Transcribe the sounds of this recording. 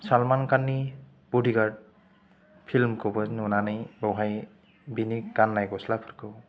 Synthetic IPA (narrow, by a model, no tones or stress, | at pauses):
salmankanːi | b̥udʱiɡaɾd | pʰilmkɯbɔznunanɯjbɔwɦaj | binikɡanːajɡɔslapʰɯɾkɯw